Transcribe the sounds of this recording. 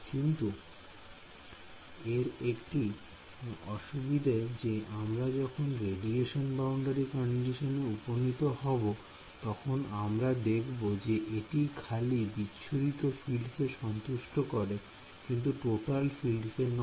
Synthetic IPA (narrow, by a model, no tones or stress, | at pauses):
kint̪u | eɾekʈi | ɔʃubid̪ʱad͡ʑeamɾad͡ʑɔkʰonɾeɖieʃonbawɳɖaɾikɔɳɖiʃoneuponit̪ohɔbo | t̪ɔkʰonamɾad̪ekʰbod͡ʑeʔeʈikʰalibitːɕʰʃʰuɾit̪ofilɖkeʃɔnt̪uʃʈokɔɾe | kint̪̬uʈoʈalfilɖken